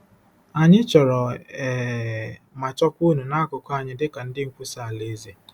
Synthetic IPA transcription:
a˨ɲɪ˦t͡ʃɔ˨ɾɔ˨ | ma˨t͡ʃɔ˦kʷu˦nu˨na˦kʊ˨ka˦˨ɲɪ˦dɪ˦ka˨n̩˦dɪ˦ŋ̩˨kʷu˦sa˦˨a˨le˦ze˨

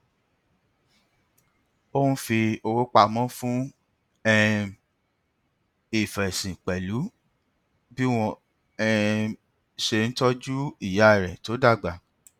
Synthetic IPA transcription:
o˦nũ˦fi˧o˧wo˦k͡pa˧mɔ̃˦fũ˦ | ɛ˦ | i˨fɛ˨sĩ˨k͡pɛ˨lu˨˦ | bi˦w̃ɔ̃˧ | ɛ˧ | ʃe˧˨˧n̩˦tɔ˦d͡ʒu˦i˦˨ja˨˦˨ɾɛ˨to˨˦da˦˨ɡ͡ba˨

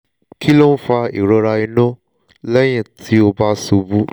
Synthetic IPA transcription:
ki˦lo˦n̩˦fa˧i˨ɾɔ˧ɾa˧i˧nɔ̃˦ | lɛ˦j̃ɛ̃˦˨tʰi˨˦o˧ba˦so˧bu˦

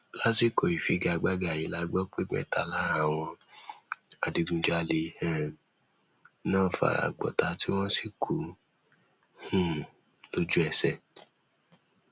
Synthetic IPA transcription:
la˦ti˦kɔ˧˨i˨fi˨˦ɡa˧˨˧ɡ͡ba˦ɡa˨i˨la˧˦ɡ͡bɔ˦k͡pe˦mɛ̰̃˦˨ta˨la˦ɾa˦˨w̃ɔ̃˧ | a˨di˧ɡũ˧d͡ʒa˦le˧ɛ˨ | nãː˦˨fa̰˨ɾa̰˨ɡ͡bɔ̰˨ta˧ti˦w̃ɔ̃˦si˦kʰu˨ | hũ˦˨ | lo˦d͡ʒu˦ɛ˧sɛ˨

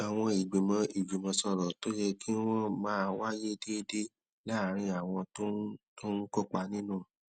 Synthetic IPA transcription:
a˨w̃ɔ̃˧i˨ɡ͡be˨mɔ̃˧i˨ɡ͡be˨mɔ̃˧sɔ˧ɾɔ˨to˦jɛ˧ki˦wɔ̃˦mãː˦˧wa˦je˦˧˦de˦˧˦de˦ | la˦˨˦ɾ̃ĩ˧a˨w̃ɔ̃˧to˦to˦n̩˦ko˦˨k͡pa˧nĩ˦nũ˦˨

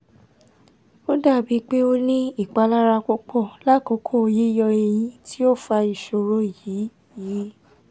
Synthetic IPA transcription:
o˦da˦˨bi˨˦k͡pe˦o˦nĩ˦i˦˨k͡pa˨˧la˦ɾa˧kɔ˦k͡pɔ˦˨la˦˨kɔ˨˦kʰɔ˦o˧ji˦jɔ˧e˧j̃ĩ˦tʰi˦o˦˨fa˧i˨ʃo˧ɾo˨˦i˦˨ji˨˦ | ji˨˦

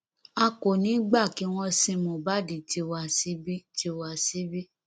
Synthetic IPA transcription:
a˧ko˨nĩ˨˦ɡ͡ba˦˨ki˨˦w̃ɔ̃˧sĩ˧mõ˨ba˦di˨ti˧˦wa˧si˦bi˦ti˧wa˧˨si˦bi˦

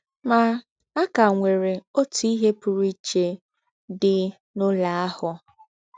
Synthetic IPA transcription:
ma˨ | a˦ka˨ŋʷe˨ɾe˨o˦tu˨i˦ɦe˦pʊ˨ɾi˦t͡ʃe˨ | dɪ˦ | nʊ˦la˨a˦hʊ˨

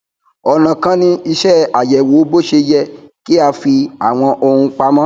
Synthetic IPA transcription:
ɔ˨nã˨kã˦nĩ˧i˧ʃɛ˦˨a˨jɛ˨woː˨˦bo˦ʃe˧jɛ˦˨ki˦a˧fi˧a˨w̃ɔ̃˧ʔo˧hũ˧k͡pa˧mã˦

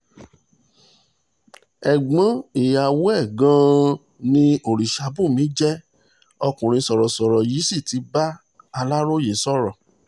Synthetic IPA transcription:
ɛ˨ɡ͡bã˨˦i˨ja˨wo˦ɛ˦˨ɡã˦ | nĩ˧o˨ɾi˨ʃa˨˦bu˦˨mĩ˨˦d͡ʒɛ˦ | ɔ˧kũ˨ɾ̃ĩ˧sɔ˨ɾɔ˨sɔ˨ɾɔ˨ji˨˦si˦˨ti˨˧˦ba˦ | a˧la˦ɾo˦je˨˦sɔ˦˨ɾɔ˨

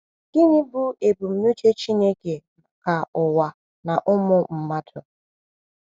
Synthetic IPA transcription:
ɡ̥ɪ˦ɲɪ˦bʊ˦ʔe˨bu˨m̩˨nu˦t͡ʃe˦t͡ʃi˦ne˦ke˨ | ka˨ʊ˨wa˨ | na˨ʔʊ˦mʊ˦m̩˨ma˦tʰʊ˨

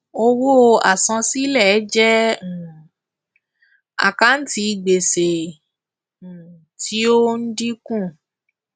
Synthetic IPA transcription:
o˧wo˦˧a˨sã˧si˦lɛ˦˨˦d͡ʒɛ̃˦˨ | a̰˨ka˦n̩˦ti˧ɡ͡be˨se˨ | ti˨˦o˦n̩˦di˦kũ˦˨

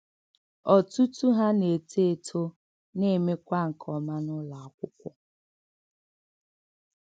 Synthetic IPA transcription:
ɔ˨tu˦tu˦ɦa˦ne˨tʰe˦˨tʰo˦ | ne˦˨me˦kʷa˦ŋ̩˨kʰɔ˨ma˦nʊ˦la˨a˨kʷʊ˦kʷʊ˦

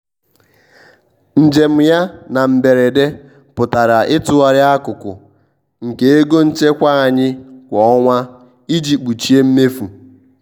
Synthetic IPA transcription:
n̩˨d͡ʒe˨m̩˨ja˦na˨m̩˨be˨ɾe˨de˦ | pʊ˨ta˨ɾa˨ʔɪ˦tʊ˨wa˨ɾɪ˦a˦kʊ˨kʊ̰˨ | ŋ̩˨ke˦e˦ɡo˦n̩˦t͡ʃe˦kʷa˦a˨ɲɪ˦kʷɔ˨˦ɔ˦ŋʷa˦ | i˦d͡ʒi˨k͡pu˨t͡ʃi˦e˦m̩˦me˦fu˨

